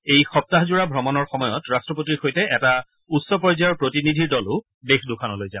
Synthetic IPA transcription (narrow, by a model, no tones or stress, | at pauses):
ejxɔp̚taɦzuɹabʱɹɔmɔnɔɹxɔmɔjɔtɹastɹɔpotixojtɛʔɛta | utsɔpɔɹzajɔɹpɹotinidʱiɹdɔlʊ | bexdʊkʰanɔlojzã